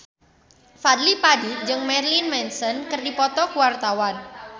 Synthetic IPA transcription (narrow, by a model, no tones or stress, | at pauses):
fad̪lipadid͡ʒɨŋmɛrlinmɛnsɔnkərdipɔt̪ɔkuwart̪awan